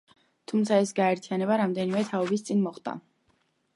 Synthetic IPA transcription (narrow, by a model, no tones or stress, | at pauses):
t̪ʰumt̪sʰaɛsɡaɛɾt̪ʰianɛbaɾamd̪ɛnimɛt̪ʰaɔbist̪sʼinmɔχd̪ʼa̰